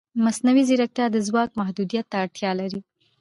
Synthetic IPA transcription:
masnawiziɾak̚t̪jɑd̪əzwɑk̚mahd̪ud̪ijat̪ːaːɽt̪jɑlaɾi

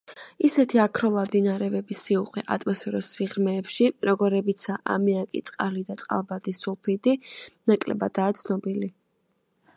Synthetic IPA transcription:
isɛt̪ʰiakʰɾɔlˠad̪inaɾɛbɛbisiuqʼwɛʔa̰t̪ʼmɔsfʰɛɾɔsiʁɾmɛːpʃiɾɔɡɔɾɛbit̪sʰaʔa̰miakʼḭt̪sʼqʼalid̪at̪sʼqʼa̰lˠbad̪isulˠpʰid̪inakʼlɛ̰bad̪̥aːt̪sʰnɔbili

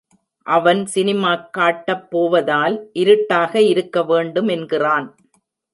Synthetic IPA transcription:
ʔɐʋɐnsɪnɪmaːkːaːʈːɐpːoːʋɐðaːlʔɪɾɯʈːaːɣɐɪɾɯkːɐʋeːɳɖɯmɛnɡɪraːn

